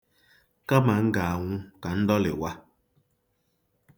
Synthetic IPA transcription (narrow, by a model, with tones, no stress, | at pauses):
ka˦ma˨ŋ̩˦ɡa˨a˨ŋʷʊ˦ka˨n̩˦dɔ˦lɪ̰˨wa˦